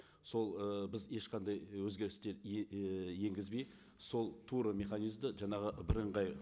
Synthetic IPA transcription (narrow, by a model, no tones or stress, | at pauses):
so̞lˠəbɪzje̞ʃqʰɑnd̪ɑjwɵzɡʲe̞ɾɪst̪e̞ɾ | je̞ŋɡʲɪzbej | so̞lˠt̪ʰuɾəmʲe̞χanijzd̪əʒɑɴɑʁəbɪɾəɴʁɑj